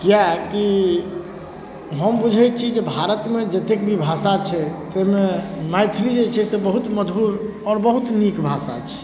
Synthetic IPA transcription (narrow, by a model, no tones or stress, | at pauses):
kijaki | ɦəmbud͡ʒʱɛt͡ʃʰid͡ʒebʱaɾət̪med͡ʒət̪ekbʱibʱasat͡ʃʰɛt̪ɛɦmemajt̪ʰɾid͡ʒet͡ʃʰɛsebəɦut̪məd͡ʒ̪buɾ | ɔːɾbəɦut̪nikbʱasa̰t͡ʃʰɛ̥